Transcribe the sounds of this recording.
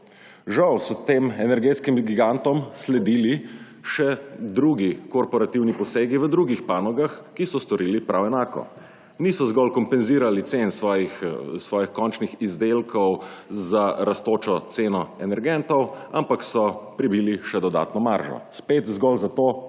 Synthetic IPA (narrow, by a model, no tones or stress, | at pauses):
ʒawsɔt̪eːmɛnɛɾɡeːt̪skimɡiɡant̪ɔmslɛd̪iːli | ʃɛd̪ɾuɡikɔɾpɔɾat̪iwnipɔseːɡiʋəd̪ɾuɡixpanɔɡaxkisɔst̪ɔɾiːlipɾʔawɛnaːkɔ̰ | nisɔzɡɔlkɔmpɛnziːɾalit̪sensʋɔːjixsʋɔːjixkɔnt͡ʃnixizd̪elkʰɔwzaɾast̪oːt͡ʃɔt̪seːnɔɛnɛɾɡɛnt̪ɔwa̰mpaksɔpɾibiːliʃɛd̪ɔd̪a̰ːt̪nɔmaɾʒɔ̰speːt̪zɡɔlzat̪oː